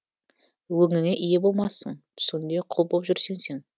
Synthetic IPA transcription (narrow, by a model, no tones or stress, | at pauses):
wɵŋɪŋeʔijebo̞lˠmɑsəɴt̪ʰʏ̥sʲɪnd̪e̞qʰʊlˠbolˠpʒʏɾse̞ŋse̞ŋ